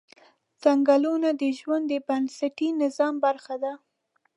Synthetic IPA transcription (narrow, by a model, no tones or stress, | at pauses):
t͡saŋɡalunad̪əʒwand̪ːəbansaʈinɪzɑmbaɾxad̪a